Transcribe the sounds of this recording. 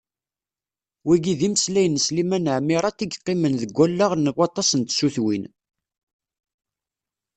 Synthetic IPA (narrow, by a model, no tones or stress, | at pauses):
wiɡiðiməslæjənːəslimænəʕmiɾˤɑt̪iɡqːimənðəɡʷːælːaʁnːəɡɑt̪ˤːɑsənt̪suθwin